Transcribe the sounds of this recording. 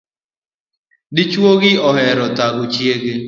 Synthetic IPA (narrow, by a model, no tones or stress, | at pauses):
dɪt͡ʃwoɡɪɔɦɛɾɔtaɡʊt͡ʃjeɡɪ